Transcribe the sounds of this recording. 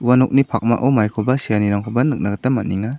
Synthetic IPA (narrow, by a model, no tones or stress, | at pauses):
wanɔk̚nipʰak̚ma̰ʔawmajkʰɔbasijaniɾaŋkʰɔbanɯk̚naɡatamat̚niŋa